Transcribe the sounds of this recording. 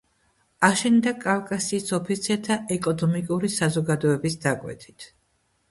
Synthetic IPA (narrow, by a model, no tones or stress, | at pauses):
aʃɛnd̪akʼavkʼasiːsɔpʰit̪sʰɛt̪ʰaʔɛkʼɔnɔmikʼuɾisazɔɡad̪ɔɛbisd̪akʼwɛ̰t̪ʰi̥t̪ʰ